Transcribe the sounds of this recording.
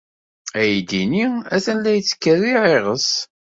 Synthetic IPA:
æjd̪iniæθənlæjət͡sːə̥kːəriʕeʁəs

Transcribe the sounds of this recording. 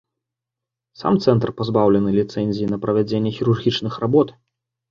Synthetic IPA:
sa̰mt̪sɛnt̪rpazbawlʲɛnɨlʲit̪sɛnʲzʲijinɐpɾɐvʲad͡zʲenʲːɛxʲiɾurɣʲit͡ʂnɨxrabɔt̪

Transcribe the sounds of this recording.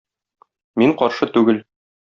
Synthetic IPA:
miɴqɒɾʃɤt̪ʉɡɘl

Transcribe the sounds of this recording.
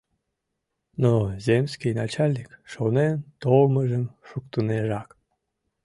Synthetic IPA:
nozʲemsʲkijnɑt͡ɕalʲnʲikʃonent̪olməʒəmʃukt̪uneʒɑk

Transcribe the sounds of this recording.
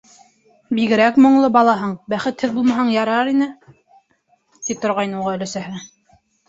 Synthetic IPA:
biɣɘ̆ɾækmŏɴlˠɤbɑlˠɑɦɤɴbæχɘt̪hɘðbulˠmɑɦɑɴjɑɾɑɾinɘ | t̪ip̚t̪ŏɾʁɑjnɤuʁɑɵ̆lɵ̆sæɦɘ

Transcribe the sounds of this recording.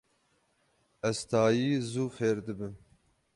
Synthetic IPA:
ɛzt̪ɑːjiːzuːfeːɾd̪ɨbɨn

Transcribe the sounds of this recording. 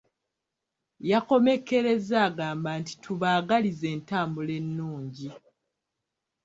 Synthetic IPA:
jako̞me̞kːe̞ɾe̞zaːɡaːmbaːnti̥tʰuβaːɡalize̞ːntaːmbule̞nːuːɲɟi

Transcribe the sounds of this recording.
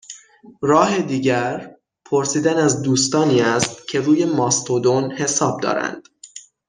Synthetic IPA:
rɒːɦe̞d̪iːɟæɾ | pʰo̞ɾsiːd̪ænæzd̪uːst̪ɒːniːæst̪cʰe̞ɾuːje̞mɒːst̪ʰod̪onhe̞sɒːb̚d̪ɒ̰ːɾæ̰nd̪̥

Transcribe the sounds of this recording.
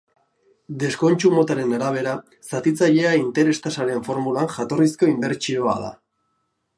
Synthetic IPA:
d̪e̞sko̞nt͡ʃumo̞t̪aɾe̞naɾaβ̞e̞ɾa | sat̪it͡saʎe̞aint̪e̞ɾe̞st̪asaɾe̞ɱfo̞ɾmulaŋxat̪o̞risko̞imbe̞ɾt͡ʃio̞a̰ða̰

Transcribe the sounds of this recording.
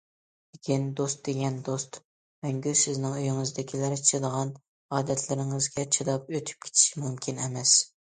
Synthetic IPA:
d̪ɪkʲind̪ost̪̚d̪eɡʲɛnd̪ost̪ | mɛŋɡʲysɪznɪŋøjyŋɨzd̪ɪkʲʰilæɾt͡ʃʰɨd̪əʁɑn | ɑːd̪ɛt̪ʰlɪɾɪŋɨzɡʲɛt͡ʃʰɨd̪ɑp̚øt̪ʰy̥p̚kʲʰe̥t̪ʰi̥ʃimumkʲʰinɛmɛs

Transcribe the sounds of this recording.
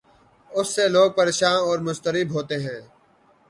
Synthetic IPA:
ʊsːeloːɡ̚pəɾeːʃaːnɔːɾmʊst̪əɾɪbʱɦoːt̪eɦɛ̃ː

